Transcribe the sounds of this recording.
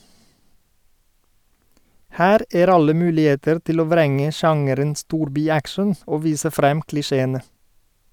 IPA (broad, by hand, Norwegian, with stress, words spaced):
ˈhæːɾ ˈeːɾ ˈɑlə ˈmʉːlɪˌeːtəɾ ˈtɪl ˈoː ˈʋɾɛŋə ˈʃɑŋəɾən ˈstuːɾbɪˌækʃən ˈoː ˈʋiːsə ˈfɾɛm klɪˈʃeːənə